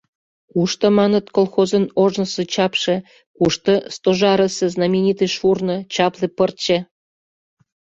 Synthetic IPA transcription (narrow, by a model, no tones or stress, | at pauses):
kuʃt̪ə̆mɑnət̪kolˠxozənoʒnəsĕt͡ɕɑpʃĕ | kuʃt̪ɤ̆st̪oʒɑɾəsĕznɑmʲenʲit̪eʃurnɤ̆t͡ɕɑplĕpərt͡ɕe